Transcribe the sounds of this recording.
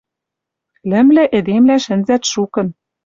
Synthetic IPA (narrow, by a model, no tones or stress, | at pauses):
lɘ̆mlɘ̆ʔĕd̪emlæʃɘ̆nzæt̪ʃukɤ̆n